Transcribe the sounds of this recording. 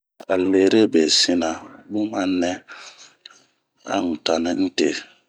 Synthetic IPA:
a˨le˨ɾe˦˨be˨si˦na˨bu˦ma˦nːɛ˦ | a̰˦˨n̩˨ta˨ni˦n̩˦te˨

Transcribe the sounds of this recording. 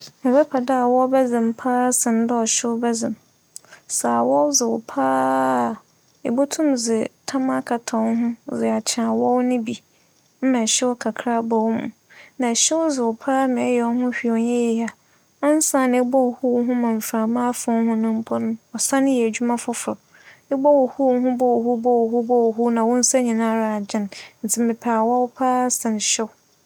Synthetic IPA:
mɪ̃˨bɛ˦pʰa˨da˦a˨wɔ˦bɛ˦zɪ̃˨m˨pʰaː˦sɪ̃˨n˨˦dɔ˦ɔ˨ɕɪ˦wbɛ˦zɪ̃˨m | saː˨wɔ˦zɪ˨wʊ˨pʰaː˦˨ | e˨bo˦tʰũ˦mzɪ˨tʰa˦ma˦kʰa˨tʰã˨n˦ɦʊ̃˦zɪ˨a˨t͡ɕʰɪ˨ã˨wɔ˦wnʊ̃˦bi˨ | m̩˦mã˨ɕɪ˦wɔ˦kʰa˨kʰɾa˦bɔ˨wmʊ̰̃˨ | nã˨ɕɛ˦wd͡zɪ˨wʊ˨pʰaː˦mɛ̃˨˦jɛ˨ɔ˦hʊ̃˦ɕᶣi˨ɔ˨ɲɛ̃˦jɛ˨a˨ | ɔ˦n̩˦sã˦˨ñ˨ɛ˦bɔ˦whu˦˨ɦʊ̃˦mã˨m̩˨fɾã˨mãː˦fʊ̃˦n˦hʊ̃˦nʊ̃˦m̩˦pʰɔ˦ñ˦ɔ˨sã˦nɪ̃˦jɛ˨æ˨d͡ʑᶣu˦mã˦fʊ˦fʊ˨ɾɔ˨ | ɛ˦bɔ˦wɔ˨hu˦˨ɦʊ̃˦bɔ˦whu˦bɔ˦wɦu˦bɔ˦wɦu˦nã˨wɔ̃˦n̩˦sa˦ɲĩ˨nã˦ɾa˨d͡ʑɪ̃˦nn̩˨t͡sʰɪ˨˦mɪ̃˨pʰaː˨wɔ˦wʊ˦pʰaː˦sã˨n˨ɕɪ˦w

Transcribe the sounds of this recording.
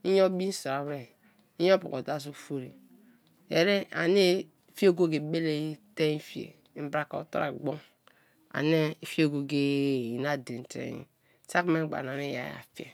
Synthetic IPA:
i˦jo˦bi˦n˦so˨ɾa˨wɾe˦˨ | i˦jo˦pṵ˨ko˨da˦˨s̬o˦˨fo˦ɾe˨ | jḛ˨ɾe˦a̰˨ne˦˨ | fi˦o˦˨ɡo˦ɡe˨be˦le˦i˦te˦fi˦˨ḛ˨˦m̩˦bɾa˨ko̰˨to̰˦ɾa̰˨ɡ͡bo˦ | a̰˨ne˦˨fi˦o˦˨ɡo˨ɡe˦˨i˨na˦de˨n˨tḛ˨jḭ˦ | sa˦kme˦ɡ͡ba̰˨n˨a˨ne˦ja̰˨ja̰˨fi˦ḛ˨

